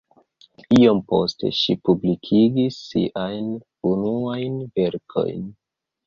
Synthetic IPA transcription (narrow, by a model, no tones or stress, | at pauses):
io̞mpo̞̰ste̞̰ʃipublikʰiɡisːḭʔajn | unuajnve̞ɾkʰo̞̰jn